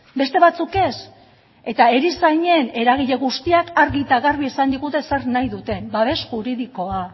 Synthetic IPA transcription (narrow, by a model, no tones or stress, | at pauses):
be̞st̪e̞βat͡suke̞s | e̞t̪ae̞ɾisaɲe̞ne̞ɾaɣ̞iʎe̞ɣust̪iakaɾɣit̪aɣarβiesand̪iɣut̪e̞sernajðut̪e̞mbaβe̞sxuɾiðiko̞a